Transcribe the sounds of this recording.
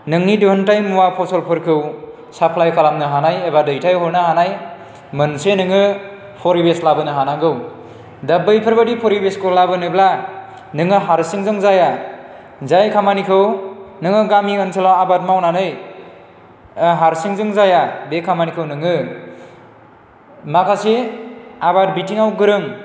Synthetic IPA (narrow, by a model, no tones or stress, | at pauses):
nɯŋniduɯntajmuwapʰɔsɔlpʰɯɾkʰɯw | sapʰlajkʰalamnɯɦanajebadɯjtʰajɦɔɾnɯhanaj | mɯnsenɯŋɯ | pʰɔɾibeslabɯnɯɦanaɡɯw | dabɯjpʰɯɾbadipʰɔɾibeskolabɯnɯbla | nɯŋɯɦaɾsɯŋzɯŋzaja | zajkʰamanikʰɯwnɯŋɯɡamiɯnsʰelawabat̚mawnanɯj | ɦaɾsiŋzɯŋzajabekʰamanikʰɯwnɯŋɯ | makʰaseabat̚bitiŋawɡɯɾɯŋ